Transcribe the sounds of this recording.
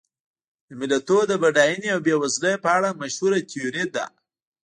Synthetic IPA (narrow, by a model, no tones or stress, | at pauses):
d̪əmɪlat̪od̪əbaɖɑjəneawbewazləjpəaɽamaʃhuɾat̪ijuɾid̪a̰